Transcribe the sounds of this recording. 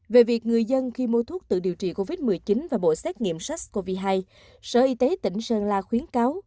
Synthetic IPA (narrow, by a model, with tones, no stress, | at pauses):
ve˨˩vi˨˩ək̚ŋɨ˨˩əjzə˧nxi˧mo˧t̪ʰu˦˥ək̚t̪ɨ̰˧˨ɗi˨˩əwt͡ɕḭ˧˨ko˧vi˦˥t̚mɨ˨˩əjt͡ɕi˨˦nvaː˨˩ɓo̰˧˨sɛ˦˥k̚ŋḭ˧˨əmsa˦˥k̚ko˧vi˧ɦaː˧j | səː˧˩ʔi˧t̪e˨˦t̪ḭ˧˩ŋ̟səː˧˩nlaː˧˩xwi˨˦ənkaː˨˦w